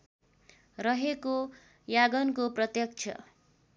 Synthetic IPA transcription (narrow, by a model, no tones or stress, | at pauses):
rʌɦeko | jaɡʌnkoprʌt̪jʌk̚t͡sʰʌ̰